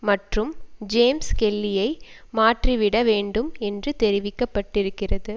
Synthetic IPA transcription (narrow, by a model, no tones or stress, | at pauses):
mɐʈrɯmd͡ʒeːmskɛlːɪjɐɪmaːʈriʋɪɽɐʋeːɳɖɯmɛndrɯt̪ɛɾɪʋɪkːɐpːɐʈːɪɾɯkːɪrɐðɯ